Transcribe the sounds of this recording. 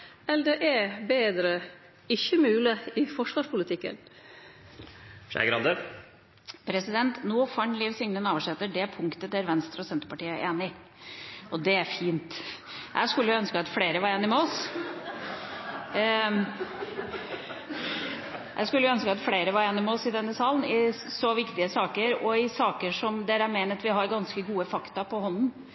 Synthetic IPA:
ɛld̪ɛʔæɾbeːd̪ɾə | ɪçəmʉːlɪɪfɔʂʋɑːʂpʊlɪt̪ʰɪkːə̰n | ʃæ̰ɡɾɑnd̪ə | pʰɾɛsɪd̪ɛnt̪nuːfɑɳliːʋsʏŋnənɑːʋəʂɛt̪ːəɖɛpʰʊŋkt̪ət̪d̪æɾʋɛnst̪ɾəɔsɛnt̪əɾpɑʈiːəʔeːnɪ | ʔɔd̪ɛæɾfiːnt̪jæ̰ɪʂkʉlːəjœnskəɑt̪fleːɾəʋɑɾeːnɪmɛɔs | jʔæ̰ɪskʉlːjœnskəɑt̪fleːɾəʋɑɾeːnɪmɛɔsɪd̪ɛnːəsɑːln̩ɪ | sɔʋɪkt̪ɪəsɑːkəɾɔɪsɑːkəʂɔmd̪ɛːɾəæmeːnət̪ʋɪɦɑɾɡɑnskəɡuːəfɑkt̪ɑpʰɔhɔnːn̩

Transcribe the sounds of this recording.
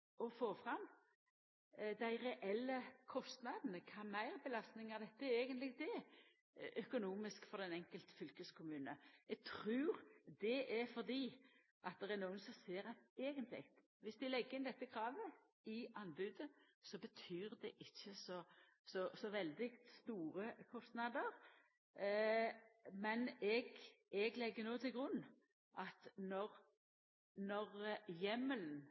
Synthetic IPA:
ɔfoːfɾɑmː | d̪æɪɾɛʔɛlːəkʰɔst̪nɑd̪nəkʰɑːmæɪʁbəlɑst̪nɪŋɑʋd̪ɛt̪ːəæɾeːɡənt̪lɪɡ̚t̪ɛ | ʔœkʊnuːmɪskfɔɾd̪ɛnɛŋkəlt̪fʏlkəskʰʊmʉːnəɛɡ̚t̪ʰɾʉːɾd̪ɛʔæfɔɾd̪iː | ʔɑt̪̚d̪ɛʁɛnuːənsɔmseːɾɛeːɡənt̪lɪ̰ɡt̪ | ʋɪsd̪ɪlɛɡːəɾɪnd̪ɛt̪ːəkʰɾɑːʋə | ɪɑnbʉːd̪ə | sɔbət̪ʰyːʁd̪ɛʔɪçːəsɔ | sɔsɔʋɛld̪ɪst̪uːɾəkʰɔst̪nɑd̪əɾ | mɛnɛɡ | ɛɡlɛɡːənoːt̪ʰɪlɡɾʉnː | ʔɑt̪nɔɾ | nɔʁjɛməln̩

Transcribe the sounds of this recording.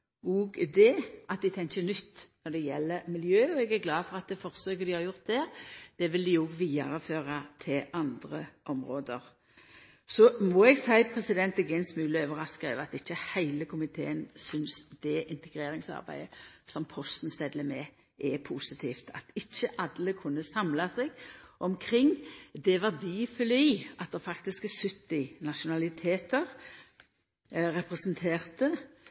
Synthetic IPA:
ɔɡd̪ɛʔɑt̪̚d̪ɪt̪ʰɛŋçənʏt̪ːnɔd̪ɛjɛlːəɾmɪljøːɔɛɡæɾɡlɑːfɔʁɑt̪̚d̪ɛfɔʁsøːkəd̪ɪhɑɾjʊʁt̪̚d̪ɛːʁd̪̥ɛʋɪld̪ɪɔɡʋiːɑʁəføːʁɑt̪ʰɪlʔɑnd̪ʁəʔɔmɾoːd̪əɾ | sɔmɔɛɡsæɪpʰɾɛsɪd̪ɛnt̪ɛɡɛnsmʉːləøːʋəɾɑskɛʋɑt̪ɪçːəhæɪləkʰʊmɪt̪ʰḛːənsʏnsd̪̥ɛʔɪnt̪əɡɾeːɾɪŋsɑ̰ʁbæ̰ɪəsɔmpʰɔst̪n̩st̪ɛd̪ləmɛ | ʔɛpʰuːsɪt̪ʰiːft̪ʰɑt̪ɪçːəʔɑd̪ləkʰʊnːəsɑmlɑsɛɡʔɔmkʰɾɪŋːd̪ɛʋɑʁd̪ifɔlyːʔɑt̪̚d̪ɛʁfɑkt̪ɪsksʏt̪ːɪnɑʃʊnɑlɪt̪ʰeːt̪əʁ | ɾɛpʁɛsnt̪ʰeːʁt̪ə

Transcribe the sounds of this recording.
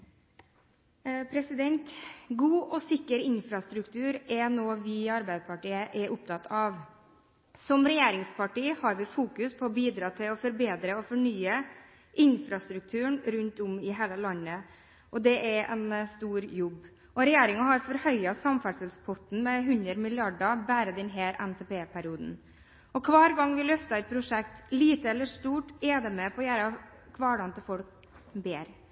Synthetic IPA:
pʰɾɛsɪd̪ɛnt̪ɡuːʔɔsɪkːəɾɪnfɾɑst̪ɾʉkt̪ʰʉːɾɛnoːʋɪɑɾbæɪd̪əpʰɑʈiːəʔɛɾʔʊp̚t̪ʰɑt̪ːʰɑʋ | sɔmɾɛjeːɾɪŋspʰɑʈiːhɑɾʋɪfuːkʉspʰɔːbiːd̪ɾɑːt̪ʰɪlɔfɔɾbeːd̪ɾəɔfɔɳyːə | ʔɪnfɾɑst̪ɾʉk̚t̪ʰʉːəɳɾʉnt̪ʊmɪɦæːləlɑnːə | ʔɔd̪ɛʔɛɾɛnst̪uːɾjɔbː | ʔɔɾɛjeːɾɪŋɑɦɑɾfɔɾhœʏɑsɑmfæɖʂəlspʰɔt̪n̩mɛɦʉnd̪əɾmɪlɪɑɖɑbæːɾəd̪ɛnɦeːɾʔɛnt̪ʰɛːpeːpʰæɾɪuːd̪n̩ | ʔɔkʰʋɑːɾɡɑŋːʋɪlœft̪ɑɛt̪̚pʰɾʊʂɛk̚t̪liːt̪əɛlːəʂt̪uːʈɛd̪ɛmɛpʰɔːjæːɾɑ | kʰʋɑːɽɑnt̪əfɔlk̚ | beːɾ

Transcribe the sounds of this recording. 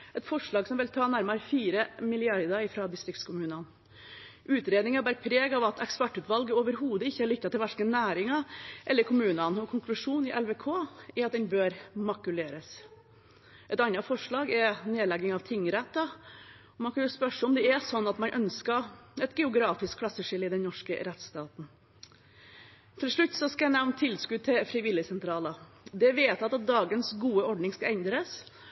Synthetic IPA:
ɛt̪fɔʂɭɑːɡsɔmʋɪlt̪ʰɑːnæɾmɑɾfiːɾəmɪlɪɑɾd̪əɪfɾɑd̪ɪst̪ɾɪk̚t̪skʰʊmʉːnɑn | ʔʉːt̪ɾeːd̪nɪŋɑbæːɾəpʰɾeːɡɑʋɑt̪ɛkspæʈːʉːt̪ʋɑlɡəoːʋəɾɦuːd̪əɪçːəæɾɭɪk̚t̪ːɑt̪ɪlʋælkənæːɾɪŋɑʔɛlːəɾkʰʊmʉːnənɔkʰʊŋklʉʂuːnɪʔɛlʋɛkʰoːɛɾɑt̪̚d̪ɛnbøːɾmɑkʉleːɾəs | ʔɛt̪ɑnːɑfɔʂɭɑːɡɛɾneːlɛɡɪŋɑʋt̪ʰɪŋːɾɛt̪ːɑ | ɔmɑnkʰɑnjʊspœʂəɔmd̪ɛɛsɔnːɑt̪mɑnʔœnskɑɛt̪ɡɛʊɡɾɑːfɪskʰlɑsːəʂɪləɪd̪ɛnnɔʂkə̰ɾɛt̪st̪ɑːt̪n̩ | t̪ʰɪlʂɭʉt̪ːsɔskɑjænæʋnt̪ʰɪlskʉd̪̚t̪ʰɪfɾɪʋɪlːəsɛnt̪ʰɾɑːlə | d̪ɛʋeːt̪ɑt̪ɑt̪̚d̪ɑːɡənsɡuːəɔɖnɪŋskɑɛnd̪ɾəs

